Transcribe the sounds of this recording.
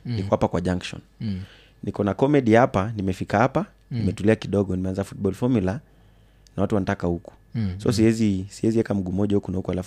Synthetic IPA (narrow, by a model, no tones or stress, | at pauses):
nikɔwapakwaʄaŋkʃɔ̰n | nikɔnakɔmɛɗihapanimɛfikahapa | nimɛtuliakiɗɔɠɔnimɛanzafut̚ɓɔlfɔɾmula | nawatuwanatakahuku̥sɔ̰siɛzisiɛziwɛkam̩ɡumɔʄahukunaukualaf